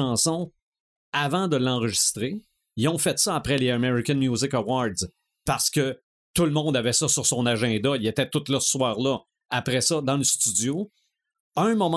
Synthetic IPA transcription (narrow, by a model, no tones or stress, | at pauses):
ɑ̃ːsɔ̃ | avɑ̃d̪əlːɑ̃ʁəʒist̪ʁe | jɔ̃fɛt̪sʌapʁɛleameʁikɛ̃nmjuzɪkawɑd̪z | paʁsə̥kʲə | t̪ulmɔ̃d̪avɛsʌsyʁsɔ̃naʒɛ̃d̪ailet̪ɛt̪ʊt̪lʌsə̥swaːʁlʌ | apʁɛsʌd̪ɑ̃ləst̪yd͡zjo | ə̃mɔm